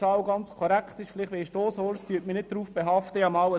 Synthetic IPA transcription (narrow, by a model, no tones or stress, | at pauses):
ɑwɡɑnt͡skʰɔɾækχt̪ɪʃflɪχtʋeiʃtoːsoɾstyət̚minɪt̚d̥ɾuːfb̥eɦɑftəɑmɑwə